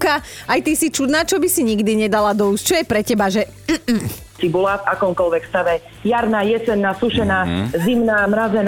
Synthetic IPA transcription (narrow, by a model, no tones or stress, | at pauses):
kaajt̪isit͡ʃud̪naːt͡ʃɔbisiɲiɡd̪iɲɛd̪alad̪ɔusct͡ʃɔjɛpɾɛcɛbaʒɛ | m̩m̩ | t͡sibulafakɔmkɔlʋɛkst̪aʋɛ | jaɾnaːjɛsɛnːaːsuʃɛnaːzimnaːmɾazɛn